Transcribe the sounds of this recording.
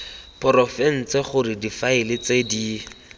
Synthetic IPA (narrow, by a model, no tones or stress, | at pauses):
pʰɔɾɔfɛn̩t͡sɛχʊrɪdifaɪlɪt͡sedi